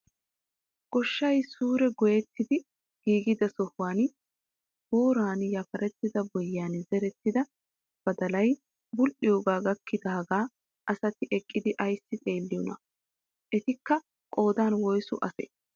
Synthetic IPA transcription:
ɡ̥ɔʃːɐjsuːɾɛɡɔjɛt̪ːɪd̪ɪ | ɡ̥iːɡɪd̪ɐsɔhwaːn | b̥o̞ːɾaːnjɐfɐɾɛt̪ːɪd̪ɐbɔjːaːnzɛɾɛt̪ːɪd̪ɐ | b̥ɐd̪ɐlɐj | bʊlʔɪjoːɡaːɡɐkːɪd̪ɐɦɐɡaː | ʔɐsɐt̪ɪʔɛkʼːɪd̪ɪʔɐjsːɪt̪ʼeːlːɪjɔnɐ | ʔɛt̪ɪkːɐ | kʼo̞ːd̪aːnwɔjsʊʔɐsɛ̰

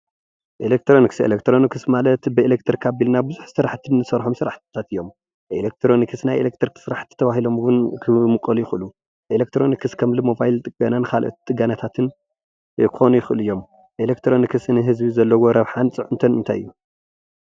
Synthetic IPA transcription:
ʔelek̚t̪ʰɾo̞nikselekt̪ʰɾo̞nikʰɨsmalɐt̪bɨelek̚t̪ʰɨɾkʰabilnabɨzuħsɨɾaħt̪ʰɨnːɨsɐɾħomsɨɾaħt̪t̪ʰat̪ɨjːom | ʔḛlek̚t̪ʰɾo̞nikʰɨsnajʔḛlek̚t̪ʰɨɾkɨ̥sɨɾaħt̪ʰi̥t̪ʰɐβaɦilo̞mwʊnkʰɨmɨkʼːɐlujɪxʔɨlu | ʔelek̚t̪ʰɾo̞nikʰɨskʰɐmlɨmo̞bajlt̪ʼɨɡ̥anankʰalʔo̰t̪i̥t̪ʼɨɡanat̪ʰat̪ʰɨn | kʰɨxo̞nujɪxʔɨlɨjːo̞m | ʔelekt̪ʰɾo̞nikʰɨsnɨɦɨzbizɐlːɐwoɾɐβħant͡sʼɨʕunt̪ʰɐnmɨnt̪ʰa̰jʔɨ̰jːu

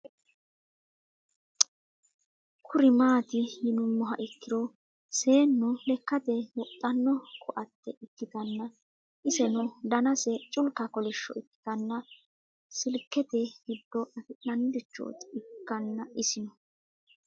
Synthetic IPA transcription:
kʰʊɾɪmaːt̪ɪjɪnʊmːɔɦɐʔɪkːɪɾɔ | se̞ːnːʊlɛkːɐt̪ɛwɔt̪ʼːɐnːɔkʰʊʔɐt̪ːɛʔɪkːɪt̪ɐnːɐ | ʔɪsɛnʊd̪ɐnɐsɛt͡ʃʼʊlkːɐkɔlɪʃːɔ̰ɪkːɪ̥t̪ɐnːɐ | sɪlkːɛt̪ɛɡɪd̪ːɔʔɐfɪɐnːɪd̪ɪt͡ʃːo̰ːt̪ɪkːɐnːɐɪsɪnɔ

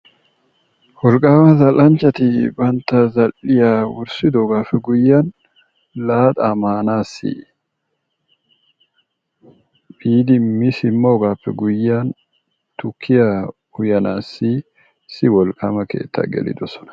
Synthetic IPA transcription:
wɔlkʼaːmɐzɐlɐnt͡ʃɐt̪ɪbɐnt̪ɐzɐlːɪjaːwʊɾsɪd̪ɔɡaːfɛɡʊjːaːn | laːt̪ʼɐmaːnaːsḭ | biːd̪ɪmɪsɪmːoːɡaːfɛɡʊjːaːn | t̪ʊkʰːɪja | ʊjɐnaːsːi | sɪwɔlkʼɐmɐkḛːt̪ːɐ̰ɡɛ̰lɪ̰d̪ʊsɔ̥nɐ̥

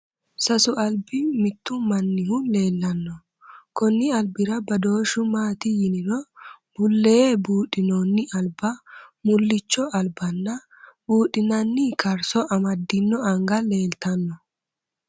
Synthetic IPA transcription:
sɐsʊʔɐlbɪmɪt̪ːʊmɐnːɪhʊle̞ːlːɐnːɔ | kɔnːɪɐlbɪɾɐbɐd̪oːʃʊmaːt̪ɪjɪnɪnɔb̥ʊlːebuːᶑɪnonːɪʔɐlbɐmʊlːɪt͡ʃːɔɐlbɐnːɐ | buːᶑɪnɐnːɪkɐɾsɔʔɐmɐd̪ːɪnːɔɐŋɡɐle̞ːlt̪ɐnːɔ

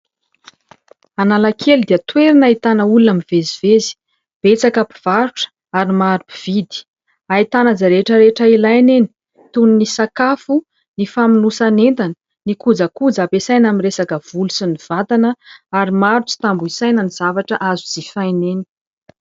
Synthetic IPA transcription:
analakʰeld̪iət̪weɾinait̪anəulunamivezivezi̥ | b̥et͡sakapi̥v̥aɾuʈ͡ʂə̥ | aɾimaɾupi̥v̥id̪i̥ | ait̪anazaɾeʈ͡ʂəɾeʈ͡ʂəilajneni̥ | t̪uninisakafu | nifaminusanent̪anə̥ | nikud͡zakud͡zapesajnaminresakəv̥ulusiniv̥at̪anəaɾimaɾut͡si̥t̪ambuisajnəniz̥avaʈ͡ʂəʔazud͡zifajneni̥

